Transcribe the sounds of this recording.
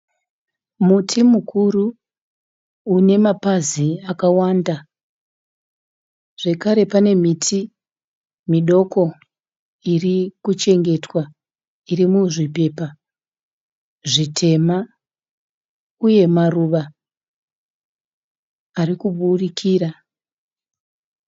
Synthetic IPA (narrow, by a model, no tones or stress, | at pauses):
mutʰimukʰuru | ne̞mapaziakawanda | ʐ̥e̞kaɾe̞pane̞mitʰi | miɗo̞ko̞ | irikut͡ʃe̞ŋɡe̞twa | irimuʐipe̞pa | ʐitʰe̞ma | uje̞maruʋa | rikuɓurikʰiːɾa